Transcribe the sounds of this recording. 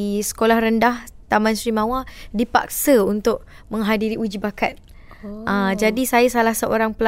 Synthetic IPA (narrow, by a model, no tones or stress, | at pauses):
sə̥kolahɾəndaht̪amãnsɾimãwadipa̰k̚səunt̪ʊk̚mə̃ŋɦadiɾiud͡ʒibakat̪̚ | ʔəd͡ʒadisajasalahsəʔoɾaŋpəl